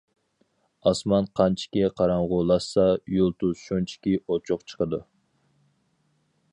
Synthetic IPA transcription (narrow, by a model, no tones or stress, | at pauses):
ɑsmɑnqʰɑnt͡ʃʰi̥kʲiqʰɑɾɑɴʁʊlˠɑsːɑjulˠt̪uzʃunt͡ʃʰi̥kʲiot͡ʃʰʊqt͡ʃʰə̥qəd̪u